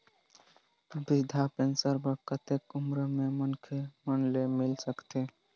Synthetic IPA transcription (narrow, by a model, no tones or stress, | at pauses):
bid̪ʱapensəɾpəɾkət̪ekumɾəmemənkʰemənlemilsəkt̪e